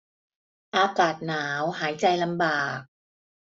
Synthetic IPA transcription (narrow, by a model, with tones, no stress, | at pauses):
ʔaː˧kaː˨˩t̪̚naː˩˦wɦaː˩˦jt͡ɕa˧jla˧mbaː˨˩k̚